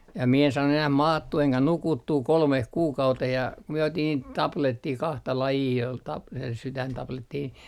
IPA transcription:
jɑ mie en sɑːnːu enæh mɑːtːuː eŋkæ nukutːuː kolmeh kuːkɑuteh jɑ ku mie otin niːt tɑpletːiː kɑhtɑ lɑjiː ol tɑp sytæntɑpletːiː ni

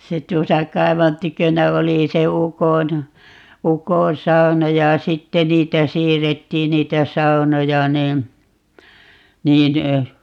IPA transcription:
se tuosɑ kɑiʋɑn tykønæ oli se ukon ukõː sɑu̞nɑ jɑ sitːe niːtæ siːrːetːiːn niːtæ sɑu̞nojɑ niː niːn

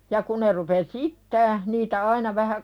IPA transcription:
jɑ ku ne rupes iːtːæː niːtæ ɑinɑ ʋæhæ

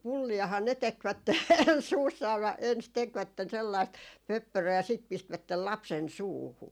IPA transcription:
pulːiɑhɑː ne tekʋætːe suːsːɑː ʋæ ens tekʋætːen selːɑist pøpːørøː jɑ sit pistʋætːel lɑpsen suːhu

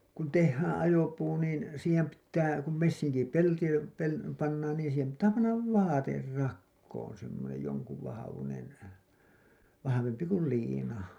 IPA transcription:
kun tehːæːn ɑjopuː niːn siːhem pitːæː kum mesːiŋkipelti pel pɑnːɑːn niːn siːhem pitːæː pɑnːɑʋ ʋɑːter rɑkːoːn semːonej joŋkuʋ ʋɑhɑʋunen ʋɑhɑʋempi kul liːnɑ

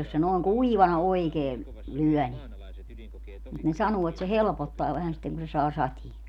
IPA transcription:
jos se noːŋ kuiʋɑnɑ oikeː lyœˑ ni mut ne sɑnuː et se helpotːɑː ʋæhæn sitːeŋ ku se sɑː sɑtie

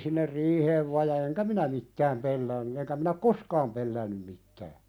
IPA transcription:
sinːer riːheːʋ ʋɑ jɑ eŋkæ minæ mitːæːm pelːæːnːy eŋkæ mĭnæ ŏk koskɑːm pelːæːnːym mitˑæː

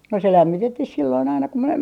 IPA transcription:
no se læmːitetːih silːoin ɑinɑ ku mie

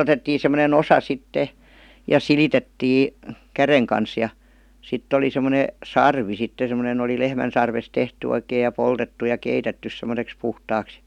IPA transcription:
otetːiː semˑonen osɑ sitːe jɑ silitetːiː kæreŋ kɑns jɑ sitː oli semˑone sɑrʋi sitːe semə̆nen oli lehmæn̞ sɑrʋes tehty oikeij̆ jɑ poltetːu jɑ keitetːys semˑə̆seks puhtɑːks

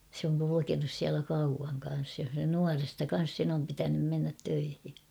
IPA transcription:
se oŋ kulukenus siælæ kɑuʋɑŋ kɑn̞s jo nuɑrestɑ kɑn̞s sen om pitænym menːæt tøihi

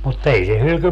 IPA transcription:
mut ei se hylky

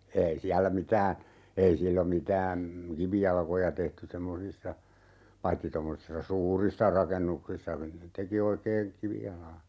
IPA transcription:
ei siælːæ mitæː ei silːom mitæː kiʋijɑlkojɑ tehty semːosisːɑ pɑitːi tomːosisːɑ suːrisːɑ rɑkenːuksisːɑ teki oikeː kiʋijɑlɑː

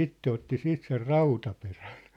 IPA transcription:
itːe otːi siːt ser rɑutɑperæn̞

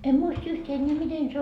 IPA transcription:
em muist yht enːeæ miten se

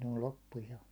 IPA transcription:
ne ol lopːu jo

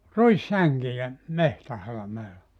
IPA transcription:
ruisːæŋkijæ mehtæhɑlɑmeːlɑ

